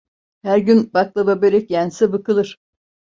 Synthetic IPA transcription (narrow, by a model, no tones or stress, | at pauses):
hæɾɟynbaklˠababeɾɛcjænsɛbɯkɯlˠɯɾ̥